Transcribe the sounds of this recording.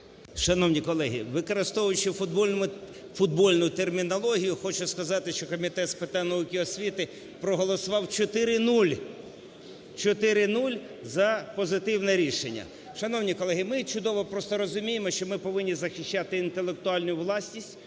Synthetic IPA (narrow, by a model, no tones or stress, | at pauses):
ʃɐnɔwnʲikɔlˠɛɦʲḭʋɪkɔɾɪst̪ɔʋʊjʊt͡ʃɪfʊd̪̚bɔlʲnmʊ | fʊd̪̚bɔlʲnʊt̪ermʲinɔlˠɔɦʲijʊxɔt͡ʃʊskɐzɑt̪ɪʃt͡ʃɔkɔmʲit̪ɛt̪spet̪ɛnɐukʲɪɔsʲʋʲit̪ɪ | pɾɔɦɔlˠɔsʊʋɑwt͡ʃɔt̪ɪɾɪnulʲ | t͡ʃɔt̪ɪɾɪnulʲ | zɐpɔzɪt̪ɪwnɛɾʲiʃḛnʲːɐ̰ | ʃɐnɔwnʲikɔlˠɛɦɪmɪt͡ʃʊd̪ɔʋɔpɾɔst̪ɔɾɔzʊmʲijemɔʃt͡ʃɔmɪpɔʋɪnʲːizɐxʲɪʃʲt͡ʃat̪ɪːnt̪elˠek̚t̪ʊɑlʲnʊʋlˠɑsʲnʲisʲtʲ